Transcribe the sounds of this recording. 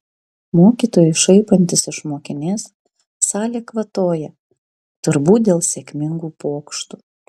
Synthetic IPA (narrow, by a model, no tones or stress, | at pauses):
moːkʲiːˑt̪oːjʊɪʃɐɪpɐnʲt̪ʲɪsɪʃmoːkʲɪnʲeːs | sɑːlʲeːkʋɐt̪oːjɛ | t̪ʊɾbuːt̪̚d̪ʲeːlˠsʲekʲmʲɪŋɡuːpoːkʃt̪u